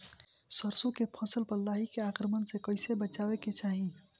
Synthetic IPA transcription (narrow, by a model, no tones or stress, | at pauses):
səɾsukepʰə̃səlpəɾlaɦikeakɾəmənsekəɪsebət͡ʃabeket͡ʃaɦi